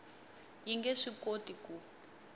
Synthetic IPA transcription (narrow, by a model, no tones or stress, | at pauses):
jiŋɡɛʂikotiku